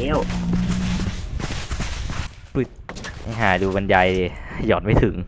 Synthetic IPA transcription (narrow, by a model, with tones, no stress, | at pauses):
e˦˧˥w | pi˨˩t̪̚a̰˧˩ɦaː˩˦duː˧ba˧nja˧jjɔː˨˩t̪̚ma˧˥˩jt̪ʰɯ˨˩˦ŋ